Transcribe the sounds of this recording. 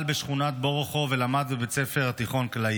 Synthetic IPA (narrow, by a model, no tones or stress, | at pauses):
lbeʃχunat̪̚bo̞ʁoχovelamad̪bebet͡sefeʁat̪iχo̞nkla